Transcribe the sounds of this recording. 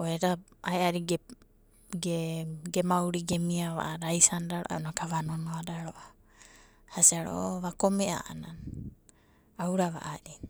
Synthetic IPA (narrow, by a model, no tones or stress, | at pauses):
oeɾaaeaɾiɡe | ɡeɡemawɾiɡemiaβa̰ʔaɾajsandaɾoʔa̰onakaβanonoadaɾo̞ʔa | hasiaɾo̰ʔβakomeʔa̰ʔa̰nan | awɾaβa̰ʔaɾi